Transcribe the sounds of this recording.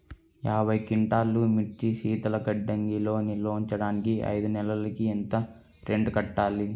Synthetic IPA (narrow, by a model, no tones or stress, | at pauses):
jaːbʱɐjkiɳʈaːlumit͡ʃːiʃiːt̪ɐlɐkɐɖːɐŋɡilo̞ːnilːoːɲt͡ʃɐɽaːnikiɐ̰jd̪unɛlɐlɐkient̪ɐ | ɾeɳɖkɐʈːaːli